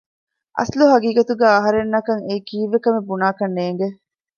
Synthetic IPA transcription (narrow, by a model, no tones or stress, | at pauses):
ʔɐ̰sluɦɐɡiːɡɐt̪uɡæːɐɦɐɾenːɐkɐŋeikiːʋːekɐmebunaːkɐnːeːŋɡe